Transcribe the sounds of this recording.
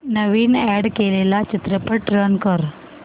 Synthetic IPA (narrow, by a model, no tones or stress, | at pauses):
nəʋinɛɖkelelat͡ʃɪt̪ɾəpəɾʈɾənkəɾ